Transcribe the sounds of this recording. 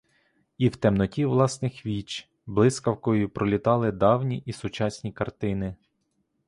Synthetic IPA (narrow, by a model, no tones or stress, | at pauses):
iwt̪ɛmnɔtʲiwlˠɑsnɪxʋʲit͡ʃ | blˠɪskɐwkɔjipɾɔlʲit̪ɑlˠɪd̪ɑwnʲiʔisʊt͡ʃɑsʲnʲikɐrt̪ɪnɪ